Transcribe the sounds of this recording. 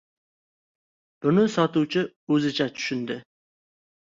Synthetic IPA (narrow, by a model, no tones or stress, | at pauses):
b̥ʊnɪsɒt̪uwt͡ʃʰɪ | ɵzɪt͡ʃʰat͡ʃ̪ʰʊ̥ʃɪnd̪ɪ